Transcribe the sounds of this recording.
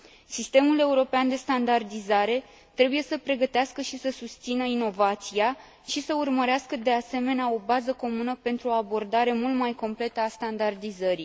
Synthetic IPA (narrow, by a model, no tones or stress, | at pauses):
sist̪e̞mule̞uɾo̞peand̪e̞st̪and̪ard̪izaɾe̞ | t̪ɾe̞buje̞səpɾe̞ɡət̪easkəʃisəsust̪sinəino̞vat̪sia | ʃisəurməɾeaskəd̪e̞ase̞me̞neao̞bazəko̞munəpe̞nt̪ɾuoabo̞rd̪aɾe̞mult̪majko̞mple̞t̪əast̪and̪ard̪izəɾi